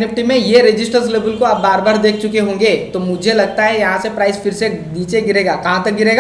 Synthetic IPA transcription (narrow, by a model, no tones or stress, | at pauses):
nɪp̚ʈimẽjeɾɪd͡ʒɪsʈəɾzleːbəlkoabːaːɾbaːɾd̪eːkʰt͡ʃʊkeɦõːŋɡet̪omʊd͡ʒʱelɐɡ̚t̪aɦɛjɐɦãsepɾaːɪzfɪɾseniːt͡ʃeɡɪɾeːɡaːkɐɦãt̪ɐk̚ɡɪɾeːɡa